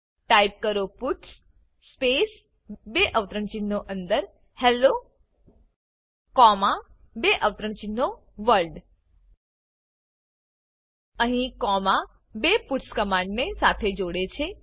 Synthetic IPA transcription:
ʈaip̚kəɾopuʈsː | pes | beʔəʋt̪ɾəɳt͡ʃinːoʔənd̪əɾ | hɛlo | kɔma | beʔəʋt̪ɾəɳt͡ʃinːo | ʋəɾlɖ | əɦĩkɔma | bepuʈskəmãɳɖnesat̪ʰed͡ʒoɽet͡ʃʰe

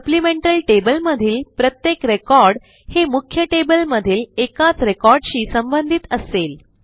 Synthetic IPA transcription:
səplimẽɳʈəlʈebəlməd̪ʱiːlpɾət̪jekɾekɔɾɽ | hemukʰjəʈebəlməd̪ʱiːlekat͡sɾekɔɾɖɕiːsəmbənd̪ʱit̪əsel

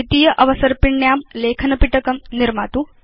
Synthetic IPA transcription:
it̪ijɐʔɐʋɐsɐɾpiɳːjaːmleːkʰɐnɐpiʈɐkɐmniɾmaːt̪u

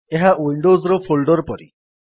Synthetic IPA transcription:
eɦawiɳɖozɾɔpʰolɖɔɾpɔɾḭ

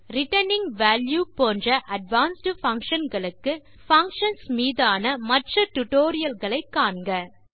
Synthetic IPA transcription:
ɾɪʈɐnɪŋɡʋaːljuːpoːndrɐʔɐɖʋaːnsʈɯfɐŋkʂɐnɡɐɭɯkːɯ | fɐŋkʂɐnsmiːðaːnɐmɐʈrɐʈʊʈoːɾɪjɐlɣɐɭɐɪkːaːɳɡɐ

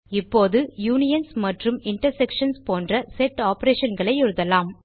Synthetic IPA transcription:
ɪpːoːðɯjuːnɪjɐnsmɐʈrɯmɪɳʈɐɾsɛkʂɐnspoːndrɐsɛʈːaːpɐɾeːʂɐnɡɐɭɐɪɪɾɯðɐlaːm

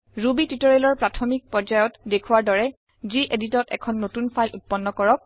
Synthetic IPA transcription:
ɹubititɔɹelɔɹpɹatʰɔmik̚pɹɔɹd͡ʒajɔtdekʰuwaɹdɔɹɛ | ziʔeditɔtɛ̰kʰɔnːotunpʰajlʔṵt̚pɔnːɔkɔɹɔk̚

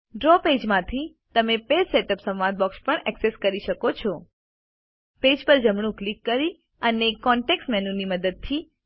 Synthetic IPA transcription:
ɖɾɔped͡ʒmãt̪ʰi | t̪əmepelseʈəpsə̃mʋãnd̪̚bɔkspəɳɛkseskəɾiʃəkot͡ʃʰɔ | ped͡ʒpəɾd͡ʒəmɳ̃ũklikːəɾi | ənekɔɳʈeksmɛnuniməd̪əd̪̚t̪ʰi

